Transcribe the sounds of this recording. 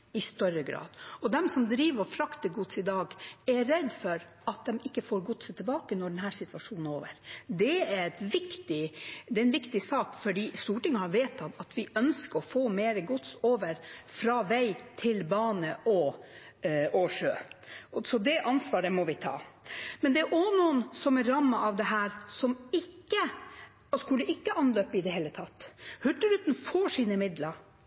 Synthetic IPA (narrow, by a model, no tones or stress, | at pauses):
ɪst̪œɾəɡɾɑ̰ːd̪ɔd̪ɛmsɔmd̪ɾiːʋəɾɔfɾɑkt̪əɡʊt̪sɪd̪ɑːɡɛɾɛd̪ːfɔɾ | ɑt̪̚d̪ɛmɪkːəfoːɾɡʊt̪sət̪ʰɪlbɑːkənɔɖɛnɦæːsɪt̪ʋɑʂuːnn̩o̰ːʋəɾd̪ɛæɾɛt̪ʋɪkt̪ɪd̪ɛɛnʋɪkt̪ɪsɑːkfɔɖiːst̪uːʈɪŋɑhɑʋeːt̪ʰːɑt̪ɑt̪ʋɪʔœnskəɾɔfoːmeːɾəɡʊt̪soːʋəɾfɾɑːʋæɪt̪ʰɪlbɑːnəʔɔ | oʂøːsɔd̪ɛʔɑnsʋɑːɖəmɔʋɪt̪ʰɑ̰ːmɛnd̪ɛæɾʔɔnuːənsɔmɛɾɑmːɑʔɑʋd̪ɛɦæːɾsɔmɪkːə | ɔskʉld̪əʔɪkːəʔɑnløːpəɪd̪ɛɦeːlət̪ʰɑt̪ːhʉʈ̪əɾʉːt̪n̩fɔʂiːnəmɪd̪ləɾ